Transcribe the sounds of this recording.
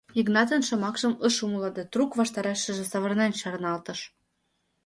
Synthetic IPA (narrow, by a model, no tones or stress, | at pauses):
iknɑt̪ɤ̆nʃɤ̆mɑkʃɤ̆məʃumulɑd̪et̪rukβɑʃt̪ɑɾɑʃːə̆ʒĕsɑβɤ̆rnɑnt͡ɕɑɾnɑlt̪ɤ̆ʃ